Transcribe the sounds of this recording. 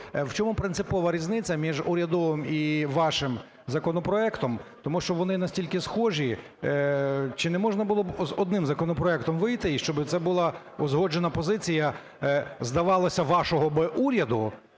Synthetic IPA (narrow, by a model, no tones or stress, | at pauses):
wt͡ʃɔmupɾɪnt̪sɪpɔʋɐɾʲiznɪt͡sʲːɐmʲiʒuɾʲɐd̪ɔʋɪmiʋɑʃɪm | zɐkɔnɔpɾɔɛkt̪ɔmt̪ɔmuʃt͡ʃɔʋɔnɪnɐsʲtʲilʲkɪsxɔʒi | t͡ʃɪnɛmɔʒnɐbʊlˠɔbzɔd̪̚nɪmzɐkɔnɔpɾɔɛk̚t̪ɔmʋɪjt̪ɪiʃt͡ʃɔbɪt̪sɛbʊlˠɑ | ɔzɦɔd͡ʒenɐpɔzɪt͡sʲijɐ | zd̪ɐʋɑlˠɐsʲɐʋɑʃɔɦɔbɪʔuɾʲɐd̪ʊ